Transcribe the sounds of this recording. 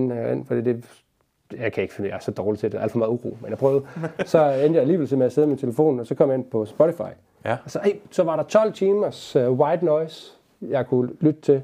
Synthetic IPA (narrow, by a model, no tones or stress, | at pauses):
nen̰fɒd̥ḭːd̥e̝ | jɑ̈ɪkʰæe̝ɡ̥føjɑ̈æɐsɒ̽d̥ɒːlit͡sʰe̝d̥eæl̰̥fɒmɑ̈ːðˠuʁṵːmenjɑ̈pʰʁœːʊð̩ˠsɒ̽end̥jɑ̈iliːʋelsemeæse̝ðˠmint͡sʰe̝ləfo̝̰ːn̩ɒ̽sɒ̽kʰɒmjɑ̈e̝npʰɒ̽sb̥ɔɾifɑ̈ɪ | ɒsɒ̽esɒ̽ʋɑ̈ɾɑ̈t͡sʰɒ̽l̰t͡sʰiːmɐswɑ̈ɪd̥nɔɪs | jɑ̈ɪkʰulyd̥ət͡sʰe̝l